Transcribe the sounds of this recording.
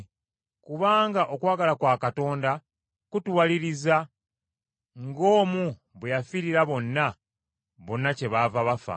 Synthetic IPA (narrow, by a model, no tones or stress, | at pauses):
kuβaːŋɡaʔo̞kwaːɡalakwaːkato̞ːnda | kutuwaliɾiza | ŋɡo̞ːmu | βwejafiɾiɾaβo̞nːa | βo̞nːace̞βaːvaβafa̰